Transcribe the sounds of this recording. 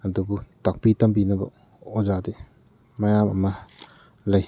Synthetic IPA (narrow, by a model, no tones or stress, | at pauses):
ɐdubutak̚pitɐmbinɐbɐ̰ | ozadi | mɐjamɐ̰mːɐ | lɐj